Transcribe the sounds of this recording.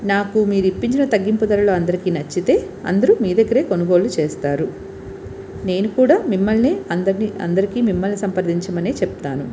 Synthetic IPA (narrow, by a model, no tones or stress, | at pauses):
naːkumiːɾuipːiɲt͡ʃinɐt̪ɐɡːimpud̪ɐɾɐloːɐnd̪ɐɾikiːnɐt͡ʃːit̪e̞ː | ɐ̰nd̪ɐɾumiːd̪eɡːɐɾe̞ːko̞nuɡo̞ːlut͡ʃeːst̪aːɾu | ne̞ːnukuːɽaːmimːɐlniɐɐniɐ̰nd̪ɐɾikiːmimːɐlnisɐmpɐɾd̪ʱiɲt͡ʃɐmɐneːt͡ʃep̚t̪aːnu